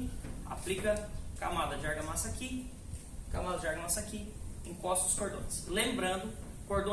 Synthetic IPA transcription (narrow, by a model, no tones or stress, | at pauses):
a̰plikɐka̰mad̪ɐd͡ʒɪaɾɡɐmasaki | kamad̪ɐd͡ʒaɾɡɐmasakiẽkɔst̪ʊd̪ʊskoɾd̪õslẽmbɾɐ̃nd̪ʊ | koɾd̪õ